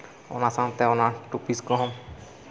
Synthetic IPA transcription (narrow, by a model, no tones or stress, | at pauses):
o̰nasant̪ɛonaʈupiskɔɦɔm